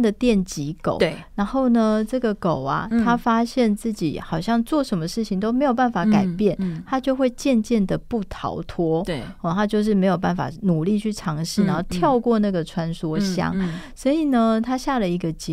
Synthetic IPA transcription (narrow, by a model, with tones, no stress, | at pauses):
d̪ə˨t̪jɛ˥˩nt͡ɕi˧˥ko̰˨˩˦a˧˥nxo˥˩ʊnə˩ʈ͡ʂɤ˥˩ɡə˩ko˨˩ʊɐ̰˩t̪ʰa˥fa˥ɕjɛ˥˧nt͡sɹ̩˥˩t͡ɕi˨˦xɑ˨˩ʊɕjɑ˥˧ŋt͡swɔ˥˩ʂə˧˦˥nmə˧ʂɻ̩˥˩t͡ɕʰi˨˩ŋt̪o˥ʊme˧˥ɪjo˨˩ʊpa˥˩nfa˨˩ka˨˩ɪpjɛ˥˩nt̪ʰa˥t͡ɕjo˥˧ʊxwe˥˧ɪt͡ɕjɛ˥˧nt͡ɕjɛ˥˩nd̪ə˩pu˥˩t̪ʰɑ̰˧˥ʊt̪ʰwɔ˥˩ɔ˨na˥t͡ɕjo˥˧ʊʂ̬ɻ̩˥˩me˧˥ɪjo˨˩ʊp̬a˥˩nfa̰˨˩nu˨˩li˥˧t͡ɕʰy˥˩ʈ͡ʂʰɑ˧˥ŋʂɻ̩˥˩a˧˦nxo˥˩ʊt̪ʰjɑ˥˧ʊkwɔ˥˧na˥˩ɡə˩ʈ͡ʂʰwa˦˥nswɔ˥ɕjɑ̰˥ŋswɔ˧˥i˨˩nə˧˦t̪ʰa˥ɕja˥˩lə˩i˧˥ɡə˧t͡ɕ